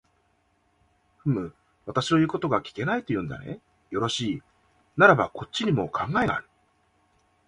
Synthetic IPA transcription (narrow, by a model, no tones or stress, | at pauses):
ɸɯ̟mɯ̟ | βat̪aɕi̥t̪ojɯ̟ːko̞t̪o̞ɡakʲi̥ke̞nait̪o̞jɯ̟̃ːnd̪a̰ne̞̰ | jo̞ɾo̞ɕiː | naɾaba̰ko̞t͡ɕ͈ːiɲ̟imo̞̰kʰãŋɡae̞ɡa̰ːɾɯ̟̥